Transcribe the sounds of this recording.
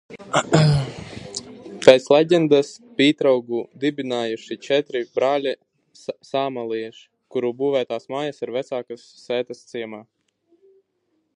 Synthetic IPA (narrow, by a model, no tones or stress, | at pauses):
pʲɛt̪slˠɛɟʲɛnd̪aspiːt̪ɾawɡud̪ibʲinaːjuʃit͡ʃɛt̪ɾibɾaːlʲi | saːmalˠiɛʃ | kuɾuːbuːvæːt̪aːsmaːjasiɾvɛt̪saːkasːɛːt̪ɐst̪siɛmaː